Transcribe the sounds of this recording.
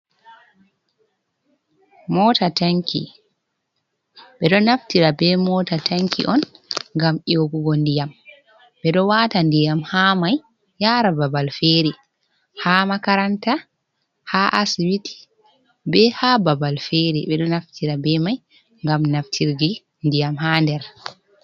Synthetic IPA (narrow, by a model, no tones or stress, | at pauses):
mɔtataŋkḭ | ɓɛɗɔnaftiɾabɛmɔtataŋkḭʔɔnŋɡamʔioɡuɡondijam | ɓɛɗɔwatandijamhamajː | aːɾababalfeɾi | hamakaɾanta | haʔasiwiti̥ | bɛhababalfeɾiɓɛɗɔnaftʰiɾabɛmaj | ŋɡamnaftʰiɾɡi | ndijamhandɛɾ